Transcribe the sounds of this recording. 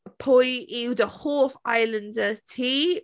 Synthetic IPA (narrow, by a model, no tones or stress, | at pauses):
pʰʊjiwðəhoːfajlə̃ndətʰiː